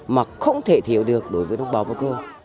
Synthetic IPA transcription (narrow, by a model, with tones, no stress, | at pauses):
maː˨˩xə˧wŋ͡mt̪ʰe˧˩t̪ʰi˨˦əwɗɨ˨˩ək̚ɗo˨˦jvəː˨˦jɗə˧wŋ͡mɓaː˨˦ka̰ː˨˧˩ko˧